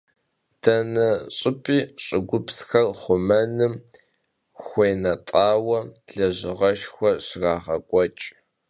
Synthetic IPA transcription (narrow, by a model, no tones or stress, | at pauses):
d̥ɐnɐɕʼɪpʰʼiːɕʼɪɡʷʊpʰsxɐrχʷʊmɐnɨm | xʷeːnɐtʼaːwɐɮɐʑɪʁɐʃxʷɔɕraːʁɐkʷʼɔt͡ʃʼ